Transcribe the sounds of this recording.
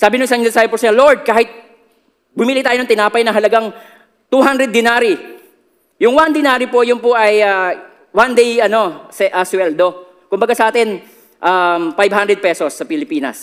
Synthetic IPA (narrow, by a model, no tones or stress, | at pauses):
saːbɪnʊŋsɐɪɲɛsajɪposɐloɹd̪̚kaːhɪt̪̚ | bʊmiːlɪt̪aːjonɐŋt̪ɪnaːpɐjnɐŋɦɐlɐɡaŋ | t̪uɦand̪ɾɛd̪̚ːɪnaːɾi | jʊŋwand̪ɪnaːɾipo̞jʊnpoʔɐja | wand̪ejɐno̞sɛʔɐswɛld̪o̞ | kʊmbɐɡasɐʔaːt̪ɪn | ʔamfajbhand̪ɾɛd̪̚pɛsosːɐpɪlɪpiːnɐ̰s